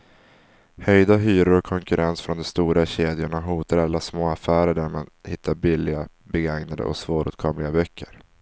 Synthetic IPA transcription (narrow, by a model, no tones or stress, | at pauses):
hœjd̪aɦyːɾʊɾɔkʰɔŋkɵɾʔɛnsfɾɔnd̪ɔmst̪uːɾaɕeːd̪jʊɳaɦuːt̪aɾalːasmoːafæːɾəɖæɾmanhɪt̪ʰːaɾbɪlːɪɡa | bɛɡaŋnad̪ə̰ʔɔ̰ksvoːɾʔʉ̰ːt̪̚kʰɔmlɪɡabœkʰːəɾ